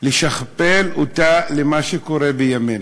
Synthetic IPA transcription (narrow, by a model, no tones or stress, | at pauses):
leʃaχpelotalemaʃeko̞ɾebejamen